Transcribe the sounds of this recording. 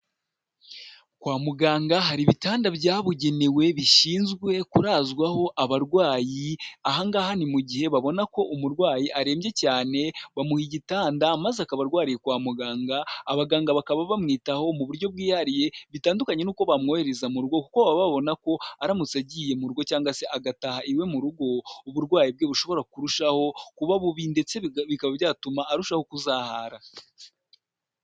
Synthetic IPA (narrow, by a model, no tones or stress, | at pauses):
kwaːmuɡaːŋɡaɦaɾiβitaːndabjaːβuɟe̞newe̞βiʃiːnzɡwe̞kuɾaːzɡwaho̞ʔaβaɾɡwaːjiaɦaŋɡaːhanimuɟihe̞βaβo̞nako̞ʔumuɾɡwaːjiʔaɾe̞ːmɟe̞caːne̞βamuhiɟitaːndamazeakaβaɾɡwaːɾijekwaːmuɡaːŋɡaːβaɡaːŋɡaβakaβaβamŋiːtaho̞muβuɾɟo̞b̚ɡiːhaɾije̞βitaːndukaɲe̞nuːko̞βamŋo̞he̞ɾezamuɾuɡo̞kukoβaβaβo̞nako̞aɾamut͡saɟiːje̞muɾuɡo̞caːŋɡase̞ʔaɡatahaʔiwe̞muɾuɡo̞uβuɾɡwaːjib̚ɡe̞ːβuʃo̞βo̞ɾakuɾuʃaho̞kuβaβuβinde̞t͡se̞βikaβabɟaːtumaʔːɾuʃaho̞kuzaːhaːɾa